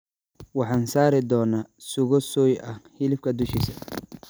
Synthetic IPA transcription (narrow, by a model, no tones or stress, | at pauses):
wɑħɑːnsaːɾɪd̪ɔːnaːsʊɣɔsɔːjʔɐhɪlɪfkʰɐd̪ʊʃisɐ